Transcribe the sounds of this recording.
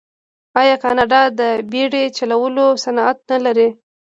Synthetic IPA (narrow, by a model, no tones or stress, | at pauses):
ɑjɑkɑnɑɖɑd̪əbeɽet͡ʃalawəlosanɑat̪̚nalaɾi